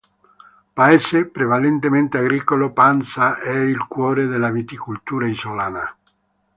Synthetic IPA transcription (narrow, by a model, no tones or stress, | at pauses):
paesepɾevalent̪ement̪eaɡɾiːkolopansaʔɛilkwɔːɾed̪elavit̪ikult̪uːɾaizolaːna